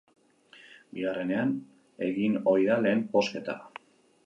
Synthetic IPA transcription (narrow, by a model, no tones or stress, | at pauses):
biɣare̞ne̞an | e̞ɣino̞jðale̞ːmpo̞ske̞t̪a̰